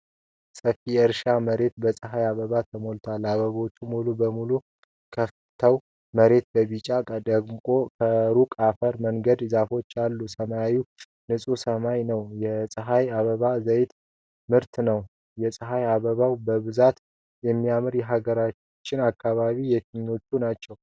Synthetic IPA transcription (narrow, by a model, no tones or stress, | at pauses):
səfijɛɨɾʃaməɾe̞t̪bəsʼəɦajaβəβat̪ʰəmo̞lt̪ʰalːaβəβawot͡ʃːumulubəmulu | kʰəf | t̪ʰəw | məɾe̞t̪̚bəβit͡ʃʼakʼəd̪əɡmkʼo̞kʰəɾukʼafəɾməŋɡəd̪zafo̞t͡ʃːalːusəmajaju | nɨsʼusəmajnəwjɛsʼəɦajaβəβazəjt̪ | mɨɾt̪nəw | jɛsʼəɦajaβəβawbəβɨzat̪ | jɛmːijamɨɾjɛɦaɡəɾat͡ʃ | t͡ʃːɪnakːaβaβijɛt̪ʰɨɲːo̞t͡ʃːunat͡ʃːɛw